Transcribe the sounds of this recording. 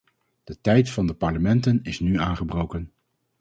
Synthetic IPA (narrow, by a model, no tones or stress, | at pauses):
d̥ətɛjtfɑndəpɑɹləmɛntənɪsnyaːnχəbrowkən